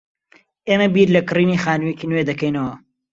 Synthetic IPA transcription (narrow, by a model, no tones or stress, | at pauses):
eːmɐbiɾlɐkɨriːnixaːnuwjecinwed̪ɐkɐjnɐwɐ